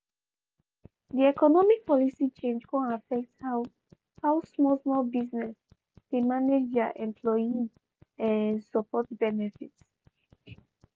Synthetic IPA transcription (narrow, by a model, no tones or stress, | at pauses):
diɛkɔnɔmik̚pɔlisit͡ʃẽnd͡ʒkɔ̃nafɛk̚thaw | hawsmɔlsmɔlbiznɛs | d̥emaned͡ʒdaʔɛ̃mpʰlɔjĩŋ | ɛ̃səpɔt̚bɛnɛfits